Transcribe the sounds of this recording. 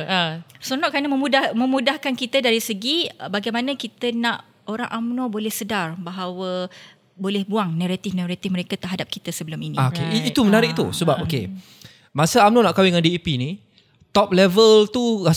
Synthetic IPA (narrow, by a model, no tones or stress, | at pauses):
sonɔʔkanəməmudamə̃mudahkankit̪ədaɾisəɡibaɡajmanəkit̪ənaʔ | oɾa̰ŋʔamnobolɛhsədarbaɦawə | bolɛhbuaŋnaɾat̪ɪfnaɾat̪ɪfməɾekat̪ərɦadap̚kit̪əsəbəlʊminḭ̃akeʔiit̪umənaɾɪʔ̚t̪ṵsəbap̚okḛ | masəamnonaʔkawiŋãndiipini | t̪ɔp̚lɛvəlt̪ua